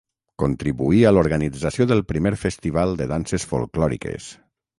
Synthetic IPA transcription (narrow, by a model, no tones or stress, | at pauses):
kont̪ɾiβuialoɾɣanid͡zasioðəlˠpɾimeɾfəst̪iβalˠd̪əðansesfṵlˠklɔɾḭkḛs